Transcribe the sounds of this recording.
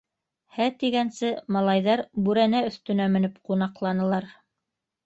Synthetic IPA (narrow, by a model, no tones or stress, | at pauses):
hæt̪iɡænsɘmɑlˠɑjðɑɾbʉɾænæɵ̆θt̪ɵ̆næmɘ̆nɘpqunɑqlˠɑnɤ̆lˠɑɾ